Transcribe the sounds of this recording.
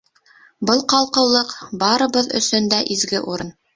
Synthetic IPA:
bɤlˠqɑlˠqɤ̆wlˠɤqbɑɾɤ̆βɤðɵ̰̆sɵnd̪æʔizɡɘʔuɾɤn

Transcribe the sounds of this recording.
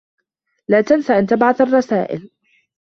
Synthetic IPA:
laːt̪ansaʔant̪abʕaθɑrˤːɑsaːʔɪ̰l

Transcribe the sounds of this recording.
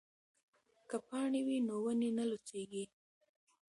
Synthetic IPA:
kapɑɳewinowənenəlot͡seɡi

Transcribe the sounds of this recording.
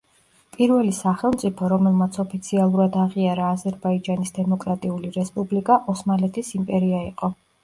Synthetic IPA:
pʼiɾvɛlisaχɛlˠmt̪sʼipʰɔɾɔmɛlˠmat̪sʰɔpʰit̪sʰialˠuɾad̪aʁiaɾaːzɛɾbaid͡ʒanisd̪ɛmɔkʼɾat̪ʼiuliɾɛspʼublikʼaʔɔsmalɛt̪ʰisimpʼɛɾiaiqʼɔ

